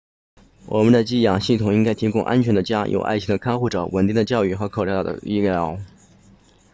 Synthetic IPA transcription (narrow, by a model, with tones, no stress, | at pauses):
wʔɔ˨˩mə˦nd̪ə˧t͡ɕi˥˩jɑ˨˩ŋɕi˥˩t̪ʰʊ˨˩ŋi˥ŋka˥ɪt̪ʰi˥kʊ˥ŋʔa̰˥nt͡ɕʰɥɛ˧˥nd̪ə˧t͡ɕja˥jʔo̰˨˩ʊʔa̰˥˩ɪt͡ɕʰd̪ə˧kʰa˥nxu˥˩ʈ͡ʂɤ̰˧˩wʔə˨˩nt̪i˥˩ŋd̪ə˩t͡ɕjɑ˥˧ʊy˥˩xɤ˧˥kʰo˨˩jɑ˥˩˨d̪ə̰˩i˥ljɑɑ˥˩˥ʊ